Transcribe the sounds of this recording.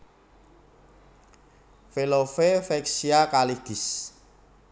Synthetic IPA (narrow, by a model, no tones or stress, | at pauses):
felofefɛksiakaliɡ̥i̤s